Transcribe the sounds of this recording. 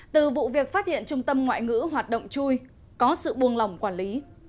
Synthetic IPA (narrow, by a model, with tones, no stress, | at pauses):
t̪ɨ˨˩vṵ˧˨vi˨˩ək̚faː˦˥t̚hḭ˧˨ənt͡ɕʊ˧ŋ͡mt̪ə˧mŋwa̰ː˧˨jŋɨ̰˧˥ɦwaː˨˩t̚ɗo̰˧˨wŋ͡mt͡ɕu˧j | kɔ˨˦sɨ̰˧˨ɓu˧ənla˨˩wŋ͡mkwaː˧˩nli˨˦